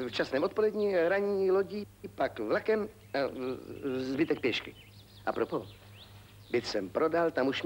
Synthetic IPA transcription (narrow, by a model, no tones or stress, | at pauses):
ft͡ʃasnɛːmʔot̪po̞lɛdɲiɾaɲɲiːloɟipakvlakɛm | a | zbɪt̪ɛk̚pjɛʃkɪ | ʔa̰pɾopo | bɪt̪sɛmpɾodalt̪amuʃm